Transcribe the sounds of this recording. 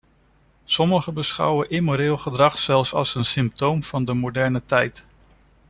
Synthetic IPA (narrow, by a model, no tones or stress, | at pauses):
sɔməχəbəsχʌ̰wəʔɪmoɾɪːlˠχədrɑχsɛlˠfsɑ̰lˠsənsɪmp̚towmv̥ɑndəmodɛɹnətɛjt